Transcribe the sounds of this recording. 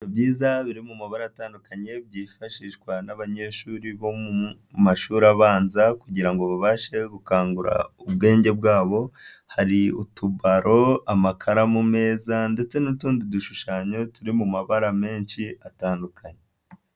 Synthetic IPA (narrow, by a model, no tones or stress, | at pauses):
iobɟiːzaβiɾimumaβaɾaːtaːndukaɲe̞bɟiːfaʃiʃkwanaβaɲe̞ʃuːɾiβo̞mu | maʃuːɾaβaːnzakuɟiɾaŋɡoβaβaːʃe̞ɡukaːŋɡuɾa̰ubɡe̞ːɲɟe̞b̚ɡaːβo̞haɾiṵtʰuβaɾʔo̞amakʰaɾamume̞ːzande̞t͡se̞nutuːndiduʃuʃaːɲo̞tuɾimumaβaɾame̞ːnʃiʔataːndukʰaɲe